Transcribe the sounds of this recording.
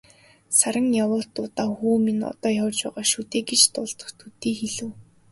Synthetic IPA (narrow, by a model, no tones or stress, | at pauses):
saɾə̆ŋjawʊːɬt̪ʊt̪aːxuːminɔ̰t̪ɔːjawt͡ɕpæːʁaːʃut̪eːɡet͡ɕt̪ʊɮt̪ɞ̥̆χt̪ʰut̪iːxeɮɘ̆w